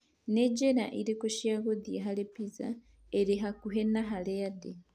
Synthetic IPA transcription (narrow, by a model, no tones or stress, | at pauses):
ned͡ʒeɾa̰ʔiɾikoʃjaɣod̪ieɦalepiza̰ | eɾiɦakuɦenaɦalejade